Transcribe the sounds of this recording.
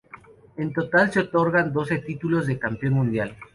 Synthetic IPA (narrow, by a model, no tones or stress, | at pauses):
e̞nt̪o̞t̪alseot̪o̞ɾɣand̪o̞se̞t̪it̪ulo̞zðekampjo̞nmũnd̪jal